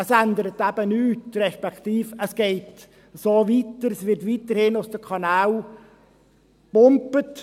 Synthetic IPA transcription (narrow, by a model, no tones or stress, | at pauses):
əsændəɾətæb̥ənyːtrɛʃpɛktiːfəsɡ̥ɛɪt | soːʋitəɾəsʋɪɾtʋitəɾhɪnʊsd̥əkʰɑnaːw | b̥ʊmpət